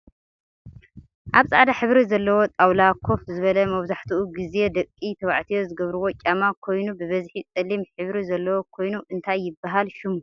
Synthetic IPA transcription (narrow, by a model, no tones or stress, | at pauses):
ʔaβsʼa̰ʕd̪aħɨβɾizɐlːɐwo̞t̪ʼawlakʰo̞fzɨβɐlɐmɐβzaħt̪ʰuʔuɡize̞d̪ɐkʼːit̪ʰɐβa̰ʕt̪ʰijo̞zɨɡɐβɾuwo̞t͡ʃʼamakʰo̞jnubɨβɐzħit͡sʼɨlimħɨβɾizɐlːɐwokʰo̞jnuʔɨnt̪ʰajːɪbːaɦalʃɪmu